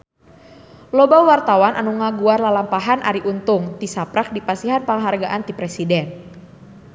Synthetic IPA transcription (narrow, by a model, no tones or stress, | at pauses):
lɔbawart̪awanʔanuŋaɡuarlalampaɦanʔaɾiʔunt̪ʊŋt̪isapɾak̚dipasiɦanpaŋɦarɡaʔant̪ipɾɛsidɛn